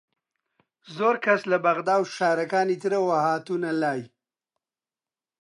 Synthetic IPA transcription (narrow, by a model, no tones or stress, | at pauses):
zoːɾkaslabaɣd̪ɑːwʃaːɾakɑːnit̪iɾawahɑːt̪unalaːj